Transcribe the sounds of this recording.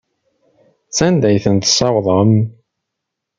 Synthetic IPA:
t͡sːænd̪æjθənt̪sˤɑwðˤəm

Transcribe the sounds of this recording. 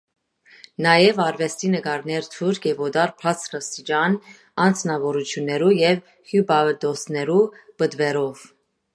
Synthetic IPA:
nɑjɛvɑɾvɛst̪inəɡɑɾnɛɾt̪ʰuɾkʰjɛvɔd̪ɑɾpʰɑt͡sɾəst̪id͡ʒɑn | ɑnt͡sʰnɑvɔɾut͡sʰjunːɛɾujɛv | hjubɑd̪ɔsnɛɾub̥əd̪vɛɾɔv

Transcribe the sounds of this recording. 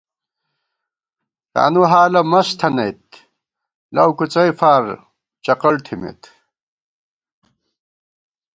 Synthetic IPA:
t̪a̰ːnuɦaːlɐmɐst̪ʰɐnɐjt̪ | lɐ̰wkut͡sɐjfaːɾ | t͡ɕɐqɐɭt̪ʰimḛt̪

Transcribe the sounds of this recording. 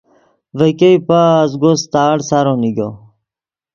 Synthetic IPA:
vəkejpazɡost̪aːɽsaɾoniɡo

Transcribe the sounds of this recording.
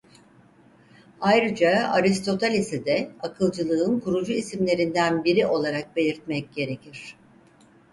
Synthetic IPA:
ajɾɯd͡ʒaa̰ɾist̪ʰo̞t̪ʰalʲisid̪ɛakʰɯlˠd͡ʒɯlˠɯɯnkʰuɾud͡ʒuisimlʲe̞ɾind̪ænbiɾiʔo̞lˠaɾak̚be̞lʲiɾt̪̚mɛc̚ɟ̥e̞ɾecʰiɾ̥

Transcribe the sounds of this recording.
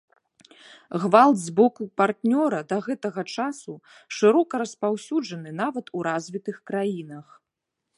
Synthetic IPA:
ɣvalˠd̪zbɔkupart̪nʲɔɾɐd̪ɐɣɛt̪ɐɣɐt͡ʂasu | ʂɨɾɔkɐɾɐspawsʲud͡ʐɐnɨn̪avɐt̪uɾazʲvʲit̪ɨxkɾajinɐx

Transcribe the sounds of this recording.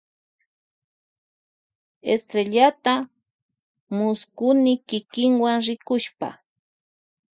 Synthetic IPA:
ḛst̪ɾeʎat̪a | mʊskʊnɪkɪkɪŋwaŋɾɪkʊʃpa̰

